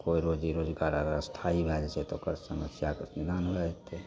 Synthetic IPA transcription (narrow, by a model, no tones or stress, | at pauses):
koiɾoːd͡ʒiɾoːd͡ʒɡaɾaɾst̪ʰaibʱɛd͡ʒt͡ʃʰet̪okəɾsəməsjakəsnid̪anbʱɛd͡ʒt̪ːe